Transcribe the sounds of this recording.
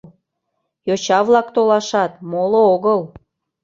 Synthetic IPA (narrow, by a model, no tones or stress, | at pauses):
jot͡ɕɑβlɑkt̪olɑʃɑt̪molooɣəl